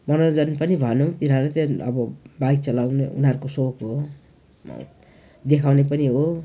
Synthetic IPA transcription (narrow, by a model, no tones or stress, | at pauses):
mʌnʌd͡zʌnpʌnibʱʌnut̪inɦaɾet̪ʌʌ̰bʌbajk̚t͡sʌlawneṵnɦʌɾukosokɦo̰ | d̪ekʰawnep̬ʌniɦo